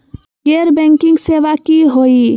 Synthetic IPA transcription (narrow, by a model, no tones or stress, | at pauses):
ɡeːɾbɛ̃ːŋkɪ̃ŋɡseːʋakiɦoːi